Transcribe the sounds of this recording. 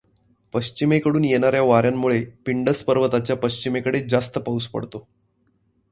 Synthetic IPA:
pəɕt͡ɕimekəɽuːnjenaɾjaʋaɾjamːuɭepiɳɖəspəɾʋət̪at͡ɕjapəɕt͡ɕimekəɽed͡zast̪əpauspə̰ɽt̪o

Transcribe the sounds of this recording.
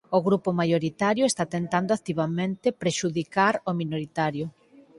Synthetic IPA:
oɣɾupomajoɾit̪aɾjoest̪at̪ent̪and̪oat̪iβamẽnt̪epɾeʃuðikaɾominoɾit̪aɾjo

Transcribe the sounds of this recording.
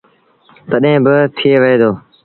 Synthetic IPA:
t̪əɗɦẽːbɪt̪ʰɪeːʋəɦeːd̪oː

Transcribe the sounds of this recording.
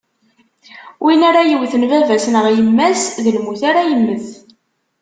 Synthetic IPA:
wʔinaɾajəwθənvævæsnəʁjəmːæsðəlmuθaɾajəmːəθ

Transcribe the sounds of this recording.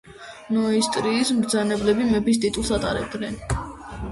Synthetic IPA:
nɔist̪ʼɾiːsmɾd̪zanɛblɛbimɛbist̪ʼit̪ʼulˠsat̪ʼa̰ɾɛb̚d̪nɛn

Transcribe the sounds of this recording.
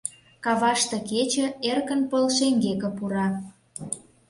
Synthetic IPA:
kɑβɑʃt̪ĕket͡ɕə̆erkə̆npəlʃeŋɡekə̆puɾɑ

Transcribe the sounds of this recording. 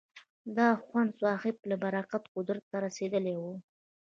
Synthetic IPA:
d̪ɑxwand̪swɑhɪp̚labaɾɑqat̪qʊd̪ɾt̪aɾased̪əlewu

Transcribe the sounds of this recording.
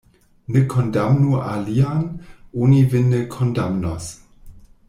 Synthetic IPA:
nəkʰɔndamnuʔalianʔunivɪnəkʰɔndamnɔs

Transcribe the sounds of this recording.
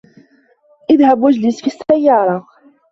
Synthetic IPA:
ɪðhæbwæʒlisfisæjːɑɾˤɑ

